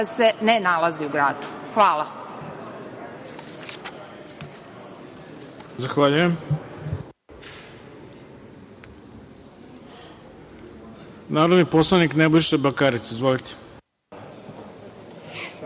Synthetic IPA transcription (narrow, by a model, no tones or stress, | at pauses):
senenalˠaziuɡɾaːd̪u̥xʋaːlˠa | zaxʋaʎujem | naːɾod̪niposlˠaniknebojʃebakaɾit̪seizʋolit̪e̥